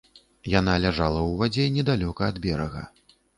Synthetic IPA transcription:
jan̪alʲaʐalˠɐwvad͡zʲejnʲɛd̪alʲɔkɐːd̪bʲɛɾɐɣɐ̰

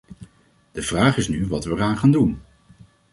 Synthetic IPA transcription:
d̥əv̥raːχɪsnyʋɑtʋəraːnχaːndun

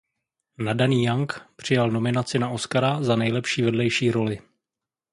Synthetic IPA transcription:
nadaniːjaŋkpr̝̥ɪjalno̞mɪnat͡sɪnaʔo̞skaɾazanɛjlɛpʃiːvɛdlɛjʃiːɾo̞lɪ

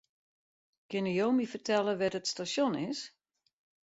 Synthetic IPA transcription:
kɪnəjoːmifərtɛlˠəʋɛtətstasjonɪs

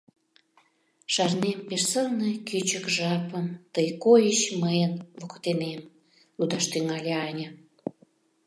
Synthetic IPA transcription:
ʃɑrnempersəlnəjkyt͡ɕəkʒɑpəmt̪əjkojəɕməjənvokt̪enem | lud̪ɑʃt̪yŋɑlʲeɑnʲə

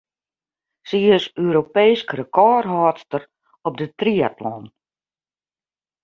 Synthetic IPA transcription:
siəsøːɾopeːskərəkɔːrɦɔːtstər | ɔp̚dətriatlɔ̰n

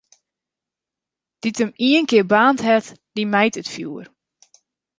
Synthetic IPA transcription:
d̥itəmiənkɪərbaːnthɛtdimɛjtətfjṵːər

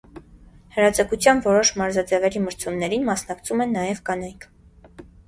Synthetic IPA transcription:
həɾɑt͡səkut͡sʰjɑnvɔɾɔʃmɑɾzɑd͡zɛvɛɾiməɾt͡sʰumnɛɾinmɑsnɑkt͡sʰumɛnːɑjɛvkɑnɑjkʰ

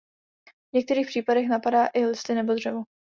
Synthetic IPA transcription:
vɲɛkt̪ɛɾiːxpr̥iːpadɛxnapadaːʔɪlɪst̪ɪnɛbodr̝ɛvo

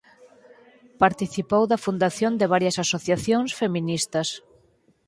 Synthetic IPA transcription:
paɾt̪iθipowðɐfund̪aθjond̪ɪβ̞aɾjɐsasoθjaθjoŋsfemĩnist̪ɐs

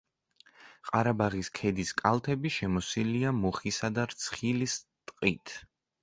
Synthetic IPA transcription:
qʼaɾabaʁiskʰɛd̪iskʼalˠt̪ʰɛbiʃɛmɔsiliamɔχisad̪aɾt̪sʰχilist̪ʼqʼit̪ʰ

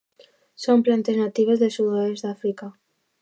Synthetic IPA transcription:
somplant̪eznat̪iβezðesuðoezd̪afɾika

